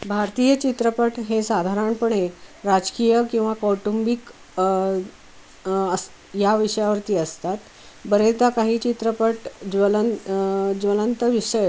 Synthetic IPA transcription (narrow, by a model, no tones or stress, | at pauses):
bʱaɾt̪iːjət͡ɕit̪ɾəpəʈɦesad̪ʱaɾaɳpəɳeɾad͡zkijəkĩw̃ʋakoʈumbik | əs | jaʋiʂəjaʋəɾt̪iːəst̪at̪ | bəɾet̪akaɦiːt͡ɕit̪ɾəpəʈd͡ʑʋələ | ʋələnt̪əʋiʂəj